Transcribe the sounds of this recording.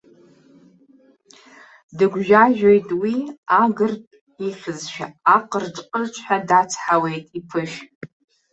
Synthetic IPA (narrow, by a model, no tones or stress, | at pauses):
dɨɡʷʒᶣaʒᶣojtʼwiaɡɨrtʼ | iχʲɪzʃᶣa̰ːqʼərʈ͡ʂqʼərt͡ʃʷʰħʷᶣadat͡sʰħawejtʼipʰɨʃ